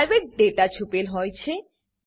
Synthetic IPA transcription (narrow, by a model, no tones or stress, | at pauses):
ɾbek̚ɖeʈat͡ɕʰupelɦojt͡ɕʰe